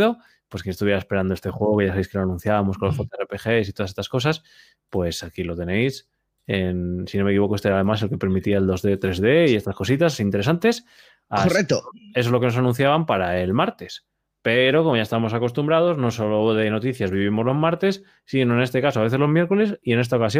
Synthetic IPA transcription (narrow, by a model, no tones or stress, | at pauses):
ðo̞ | pwokjenest̪uβjɾaespe̞ɾand̪oet̪e̞xwe̞ɣokeʝasaβeske̞loanũn̟θjaβamo̞sko̞losfot̪oerepe̞xe̞sit̪oðasest̪ḁsko̞s̬as | pwe̞sakilo̞t̪e̞ne̞js | ensino̞mekiβo̞koest̪eeɾaðe̞mase̞lke̞pe̞ɾmit̪iaeld̪o̞zðe̞t̪ɾe̞zðe̞ie̞st̪asko̞sit̪asint̪e̞ɾe̞sant̪e̞s | aorek̚t̪oe̞s̬o̞zlo̞kenos̬anũn̟θjaβampaɾae̞lmaɾt̪e̞s | pe̞ɾo̞ko̞mo̞ʝaest̪aβamosako̞st̪umbɾaðo̞zno̞so̞lo̞ðe̞no̞t̪iθjazβiβ̞imo̞zlo̞maɾt̪e̞sː | ino̞ene̞st̪e̞kasoaβe̞θe̞zlo̞zmje̞ɾko̞le̞sie̞ne̞st̪aokasjo